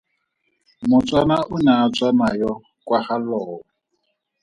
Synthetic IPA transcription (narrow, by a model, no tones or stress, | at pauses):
mʊt͡sʼwanaʔʊnat͡sʼwanajɔ | kʼwaχalɔːɔ